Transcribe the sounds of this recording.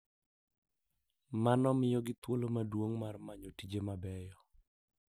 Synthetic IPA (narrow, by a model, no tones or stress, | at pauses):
manɔmɪjɔɡɪt̪wolomadwoŋmarmaɲotid͡ʒemabɛjɔ